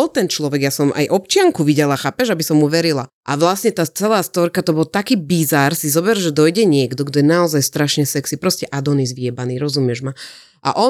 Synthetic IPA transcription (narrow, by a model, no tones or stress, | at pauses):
ɔlt̪ɛnt͡ʃlɔʋɛɡjasɔmʔa̰jʔɔp̚t͡ʃɪaŋkuʋiɟɛlaxaːpɛʒabisɔmːuʋɛɾilaʔaʋlasɲɛt̪aːt͡sɛlaːst̪ɔɾkat̪ɔbɔlt̪akiːbizaɾsizɔbɛɾʒɛd̪ɔjɟɛɲɪɛɡd̪ɔɡd̪ɔjɛnaɔzajst̪ɾaʃɲɛsɛksipɾɔscɛʔad̪ɔniɛzʋiɛbaniːɾɔzumɪjɛʒma | ʔa̰ʔɔ